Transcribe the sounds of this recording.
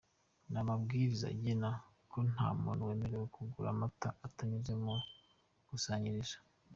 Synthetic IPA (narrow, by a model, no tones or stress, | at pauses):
namabɡiːɾiza̰ɟina | kon̥ha̰monwe̞ːmeɾewekuɡuɾa̰mataatamiʒemo | ɡ̥usaːɲiɾiʃḁ